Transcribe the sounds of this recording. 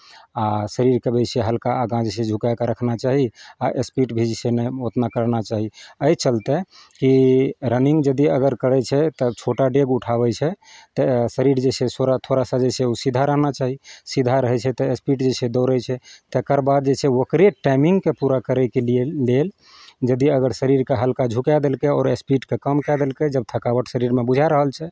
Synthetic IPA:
asəɾiɾkəbɛt͡ʃʰeɦəlkaːɡãd͡ʒsẽd͡ʒʱukajkeɾəkʰnat͡ʃaɦiaʔespiʈbʱid͡ʒsenɛot̪nakəɾnat͡ʃaɦiəjt͡ʃəlt̪ɛ | kiɾəniŋɡd͡ʒəd̪iəɡəɾkəɽɛt͡ʃʰɛt̪ət͡ʃʰoʈaɖeɡuʈʰaβɛt͡ʃʰɛ | t̪əsəɾiɾd͡ʒesʰesoɾat̪ʰoɾasãd͡ʒet͡ʃʰɛusid̪ʱaɾəɦnat͡ʃaɦisid̪ʱaɾəɦɛt͡ʃʰɛt̪əespiʈd͡ʒesʰed̪ɔɾɛt͡ʃʰɛt̪ekəɾbad̪̚d͡ʒet͡ʃʰɛokɾeʈajmiŋɡkepuɾakəɾɛkelːel | d͡ʒəd̪iəɡəɾsəɾiɾkeɦəlkad͡ʒʱukad̪elkeɔ̰ːɾespiʈkekəmkɛd̪elked͡ʒəb̚t̪ʰəkabəʈsəɾiɾmebud͡ʒʱaɾəɦəlt͡ʃʰɛ

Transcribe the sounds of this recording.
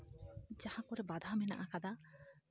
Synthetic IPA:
d͡ʑahakoɾebad̪ʱamena̰ʔakad̪a

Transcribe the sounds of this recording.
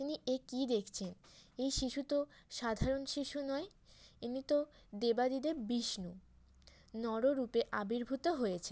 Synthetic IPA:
t̪iniʔekid̪ekʰt͡ɕʰenejʃiʃut̪oʃad̪ʱaɾonʃiʃunɔe | enit̪o | d̪ebad̪id̪eɾbiʃnu | nɔɾoɾupeʔabiɾbʱut̪oɦojet͡ɕʰe

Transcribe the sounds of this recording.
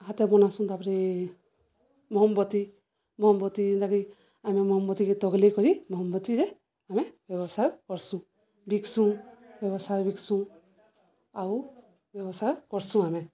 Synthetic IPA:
ɦat̪ebɔnasũt̪apɾe | mɔɦɔmbɔt̪i | mɔɦɔmbɔt̪iint̪aki | amemɔɦɔmbɔt̪iket̪ɔɡlekɔɾimɔɦɔmbɔt̪iɾe | amebjɔbɔsʰakɔɾsũ | biksũbjɔbɔsajbiksũ | aw | bjɔbɔsakɔɾsũame

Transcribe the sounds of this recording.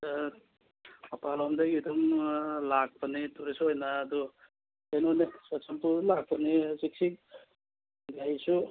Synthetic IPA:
mɐpalɔmdaɡiduŋlak̚pɐnituɾesuojnaːdɔ | enonisat͡ʃampulak̚pɐnisik̚si | ɡajsu

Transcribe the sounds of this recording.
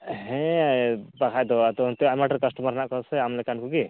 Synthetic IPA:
ɦɛ̃ | pakʰajd̪ɔat̪ɔt̪ɔamaʈɾkəsʈɔmaɾnaʔkɔɾsɛamlɛkankuki

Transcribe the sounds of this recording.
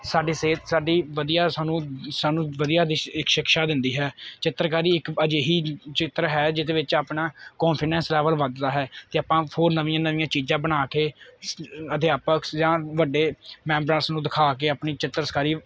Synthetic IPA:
saːɖiːseːt̪saːɖiːʋəd̪ijaːsaːnũːsaːnũːʋəd̪ijaːd̪iɪkʃɪkʃaːd̪ɪ̃nd̪iːɦɛːt͡ʃɪt̪ːəɾkaːɾiːɪkəd͡ʒeːɦiːt͡ʃɪt̪ɾɦɛːd͡ʒɪd̪eːʋɪt͡ʃaːpɳaːkɔːnpʰɪɖɛ̃ːnslɛːʋəlʋəd̪d̪aːɦɛːt̪eːaːpãːpʰoːɾnəʋĩãːnəʋĩːãːt͡ʃiːd͡ʒãːbənaːkeː | əd̪ɪjaːpəksd͡ʒãːʋəɖeːmɛ̃ːmbɾãːsnũːd̪ɪkʰaːk̬eːaːpɳiːt͡ʃɪt̪ːəɾəskaːɾiː

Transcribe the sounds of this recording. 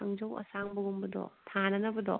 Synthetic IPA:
ɐŋd͡ʒowɐ̰saŋbuɡumbɐdɔ̰tʰanɐnɐbɐd̪ɔ̰

